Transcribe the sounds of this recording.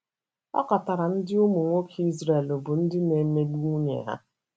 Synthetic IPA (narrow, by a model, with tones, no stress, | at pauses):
ɔ̰˦ka˨ta˨ɾa˨n̩˦dɪ˦u˦mu˨ŋʷo˦kʰi˦zɾe˨lo˨bʊ˨n̩˦dɪ˦ne˨˦me˦di˦u˦ɲḛ˨ɦa̰˦